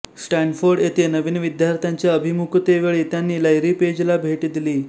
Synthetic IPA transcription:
sʈanfoɾɖjet̪enəʋiːnʋid̪jaɾt̪ʰjaɲt͡ɕjaəbʱimukt̪eʋeɭiːt̪janːiːləjɾiːped͡ʑlabʱeʈid̪iliː

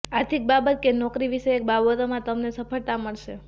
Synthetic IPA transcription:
aɾt̪ʰik̚babət̪̚kenɔkɾiʋiʃeːk̚baʋot̪omãt̪əmnesəpəɭt̪aməɭʃe

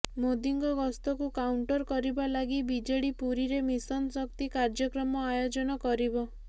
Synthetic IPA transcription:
mod̪iŋɡɔɡɔst̪ɔkukawɳʈɔɾkɔɾibalaɡibid͡ʒeɽipuɾiɾemisɔnsɔk̚t̪ikaɾd͡ʒɔkɾɔmɔajod͡ʒɔnɔkɔɾibɔ

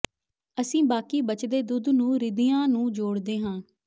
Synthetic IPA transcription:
əsĩːbaːkiːbət͡ʃd̪eːd̪ʊd̪nũːɾɪd̪ɪjãːnũːd͡ʒoːɽd̪eːɦãː

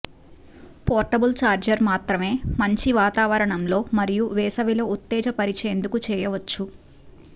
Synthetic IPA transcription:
pɔːɾʈɐbult͡ʃaːɾd͡ʒɐɾmaːt̪ɾɐme̞ːmɐɲt͡ʃiʋaːt̪aːʋɐɾɐɳɐmlo̞ːmɐɾijuʋɛːsɐʋilo̞ːut̪ːɛːd͡ʒɐpɐɾit͡ʃeːnd̪ukut͡ʃɛːjɐʋɐt͡ʃːu

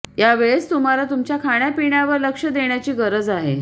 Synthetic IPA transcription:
jaʋeɭest̪um̤alat̪umt͡ɕjakʰaɳ̃japiɳjaʋəɾləkʂəd̪eɳjat͡ɕiːɡəɾəd͡zaɦḛ

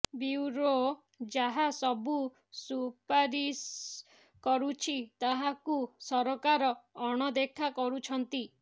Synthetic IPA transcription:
biwɾo | d͡ʒaɦasɔbu | supaɾis | kɔɾut͡ʃʰit̪aɦakusɔɾɔkaɾɔːɽ̃ɔd̪ekʰakɔɾut͡ʃʰɔnt̪i

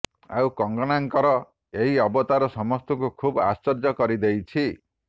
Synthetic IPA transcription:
a̰wkɔŋɡɔɽ̃aŋkɔɾɔ | eɦiɔbɔt̪aɾɔsɔmɔst̪ɔŋkukʰuba̰st͡ʃɔɾd͡ʒɔkɔɾid̪ejt͡ʃʰi

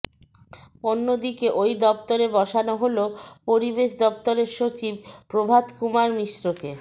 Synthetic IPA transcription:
onːod̪ikeʔojd̪ɔpt̪oɾebɔʃanoɦolopoɾibeʃd̪ɔpt̪oɾeɾʃot͡ɕib̚pɾobʱad̪kumaɾmiʃɾoke

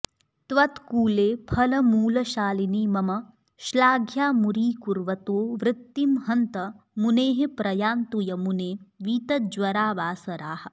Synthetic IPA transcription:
t̪ʋɐt̪kuːleːpʰɐlɐmuːlɐʃaːliniːmɐmɐ | ʃlaːɡʱjaːmuɾiːkuɾʋɐt̪oːʋɾɪt̪ːimɦɐnt̪ɐ | muneːɦepɾɐjaːnt̪ujɐmuneːʋiːt̪ɐd͡ʒʋɐɾaːʋaːsɐɾaːhɐ̆

